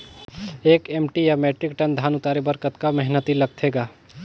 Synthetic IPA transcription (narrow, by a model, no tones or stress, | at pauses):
eːkeːmʈijameʈɾɪkʈənd̪ʱaːnʊt̪aːɾebəɾkət̪kamɛɦnət̪iləɡ̚t̪ʰeːɡaː